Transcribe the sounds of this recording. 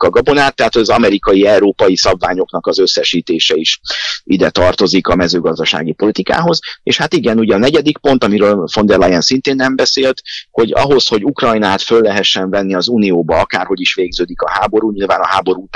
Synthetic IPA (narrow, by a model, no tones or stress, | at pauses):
kɒɡɒbo̞naːt̪ːɛɦaːt̪hoɟɒzɒmɛɾikɒjiɛuɾoːpɒjisɒbvaːɲo̞kn̪ɒkɒzø̞sːɛʃiːt̪eːʃɛiʃʔid̪ɛt̪ɒrt̪o̞zikɒmɛzøːɡɒzd̪ɒʃa̰ːɡipo̞lit̪ika̰ːɦo̞zḛːʃhat̪iɡɛnuɟɛɒnɛɟɛd̪ikpo̞nt̪ɒmiɾøːlfo̞nd̪ɛrlɛjɛnsint̪eːnːɛmbɛseːlt̪ho̞ɟɒ̰ɦo̞sho̞ɟukrɒjnaːt̪følːɛɦɛʃːɛɱvɛnːiɒzuːnijoːbɒɒkaːrho̞ɟiʃʋeːɡzøːd̪ikɒɦaːbo̞ɾuːɲilvaːnɒɦaːbo̞ɾuːt̪